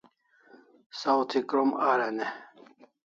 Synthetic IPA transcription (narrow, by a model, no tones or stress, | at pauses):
sawt̪ʰikɾomaɾɐne